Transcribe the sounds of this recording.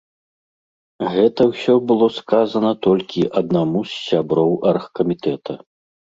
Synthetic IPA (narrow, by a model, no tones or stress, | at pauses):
ɣɛt̪ɐwsʲɔbɨlˠɔskazɐnɐt̪ɔlʲkʲiʔɐd̪̚namusːʲabɾɔwʔɐrxkɐmʲit̪ɛt̪ʰɐ